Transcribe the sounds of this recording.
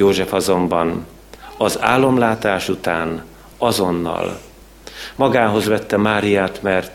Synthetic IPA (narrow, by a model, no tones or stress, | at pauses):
oːʒɛfɒzo̞mbɒn | ɒza̰ːlːo̞mlaːt̪aːʃut̪aːn | ɒzo̞nːɒ̰l | mɒɡaːɦo̞zʋɛt̪ːɛmaːɾijaːt̪mɛrt̪